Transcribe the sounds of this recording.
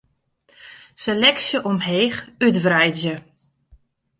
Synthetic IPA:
selɛksjəʔɔmɦeːxytvrɛjdzjə

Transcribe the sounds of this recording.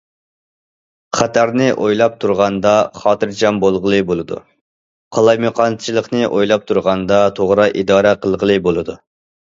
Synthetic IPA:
χæt̪ʰæɾnɪʔojlˠɑp̚t̪ʰuɾʁɑnd̪ɑχɑːt̪ɨɾd͡ʒɑmbolˠʁəlˠɨbolˠɨd̪ṵ | qʰɑlˠɑjmoqʰɑnt͡ʃʰilˠəqnɨʔojlˠɑp̚t̪ʰuɾʁɑnd̪ɑt̪ʰoʁɾɑʔid̪ɑːɾɛqəlˠʁəlˠɨbolˠɨd̪u

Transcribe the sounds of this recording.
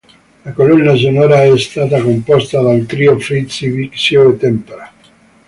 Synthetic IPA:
lakolunːas̬onɔːɾaɛst̪aːt̪akompɔst̪ad̪alt̪ɾiofɾit̪siviksjoet̪ɛmpeɾa

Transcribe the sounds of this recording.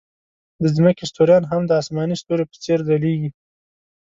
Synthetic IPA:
d̪əzməkest̪oɾjɑnɦamd̪əɑsmɑnist̪oɾepə̥t͡seɾd̪aleɡi

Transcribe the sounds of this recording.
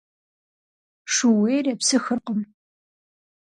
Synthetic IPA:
ʂuweːjrɐpsɨxɨrqəm

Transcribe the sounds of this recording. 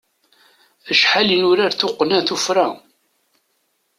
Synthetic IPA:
əʃħalinʊɾaɾθʊqːnæθufɾa

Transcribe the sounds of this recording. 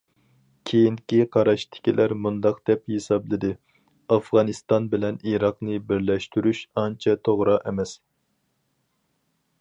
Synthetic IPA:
kʲʰejinkʲiqʰɑɾɑʃt̪ʰɪ̥kʲilʔæɾmund̪ɑqd̪̥ɛphesɑblˠɪd̪ɨ | ɑfʁɑnɨst̪ɑnbɪlɛniɾɑqnɨbɪɾlɛʃt̪yɾyʃɑnt͡ʃʰɛt̪ʰoʁɾɑʔɛmɛs

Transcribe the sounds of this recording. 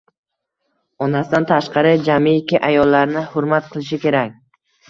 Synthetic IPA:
ɒnasɪd̪ant̪ʰaʃqɑɾɪd͡ʒamiːkʲɪʔajɒlˠːaɾnɪhʊɾmat̪̚qʰɨlˠɪʃ̬ɪkʲe̞ɾak̚ʲ

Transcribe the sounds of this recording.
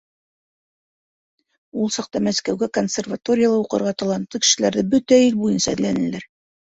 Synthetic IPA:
ulˠsɑq̚t̪ɑmæskæwɡækonsʲervat̪o̞ɾʲɪjalˠɑuqɤ̆ɾʁɑt̪ɑlˠɑnt̪ːɤkɘ̥̆ʃɘ̆læɾðɘbɵt̪æilbujɤnsɑæðlænɘ̆læɾ

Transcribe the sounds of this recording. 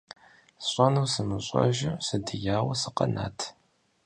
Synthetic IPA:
ɕʷʼɐnuwsɨmɨɕʷʼɔ̰ʒɪsɨdɨjaːwɐsɨqɐ̰na̰ːtʰ

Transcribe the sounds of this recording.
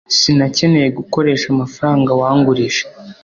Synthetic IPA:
sinace̞ne̞je̞ɡuko̞ɾe̞ːʃamafaɾaːŋɡawaːŋɡuɾiʃe̥

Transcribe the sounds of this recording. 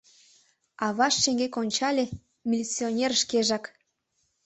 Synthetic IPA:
ɑβɑʃːeŋɡekonʲt͡ɕɑlʲe | mʲilʲit͡sːionʲerʃkeʒɑk

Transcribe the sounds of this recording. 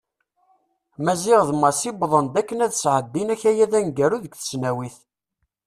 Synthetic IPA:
mæziʁðmɑsibðˤənd̪ækːənæðsʕəd̪ːinæçæjæðænɡæɾuðəkθə̥snæwiθ

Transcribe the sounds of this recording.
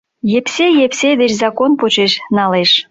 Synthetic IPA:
jepsejepsed̪et͡ɕzɑkonpot͡ɕeʃnɑleʃ

